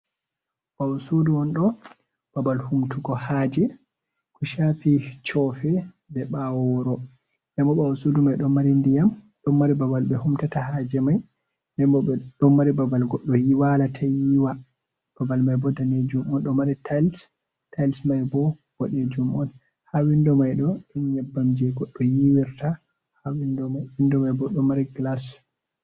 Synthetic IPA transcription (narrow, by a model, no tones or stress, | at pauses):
ɓawɔsuduɔnɗɔ | b̥abalhumtuɡɔhad͡ʒɛ | kɔʃafit͡ʃɔfɛ | bɛɓawɔɾɔ | ndɛmbɔɓawasudumajɗɔmːaɾindijam | ɗɔmːaɾibabalɓɛhumtatahad͡ʒɛmaj | ndɛmbɔɛɗɔmːaɾibabalɡɔɗːɔjiwalatʰajiwa | b̥abalmajbɔdaned͡ʒumɔnɗɔmaɾitʰals | tajlsmajbɔw̥ɔɗɛd͡ʒumɔn | hawindɔmajɗɔɗinɲɛbːamd͡ʒɛɡɔɗːɔjiwiɾta | hawindɔmawindɔmajbɔɗɔmːaɾiɡlas